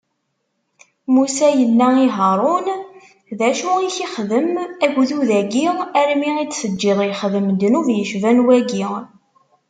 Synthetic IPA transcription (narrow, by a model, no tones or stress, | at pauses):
musæjənːæiɦəɾˤun | ðæʃuiçiχðəmæɡʷðuðæɡiʁæɾmiʁit͡ssəd͡ʒːɪðˤjχðəmd̪nuvjəʃvænwæɡiʁ